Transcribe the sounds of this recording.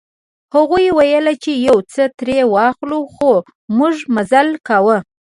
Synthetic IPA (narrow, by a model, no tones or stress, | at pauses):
haɣujwajəlat͡ʃejawt͡sət̪ɾewɑxluxo | muʐmazalkawə